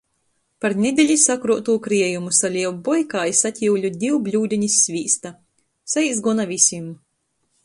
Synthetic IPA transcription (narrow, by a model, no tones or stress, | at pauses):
paɾnʲed̪ʲeʎʲisakɾuɔt̪uːkɾiɛjumusalʲiɛwbɔjkaːjisat̪ʲiwlʲud̪ʲiwblʲuːd̪ʲiɲisʲːvʲiːst̪a | saizɡunavʲisʲim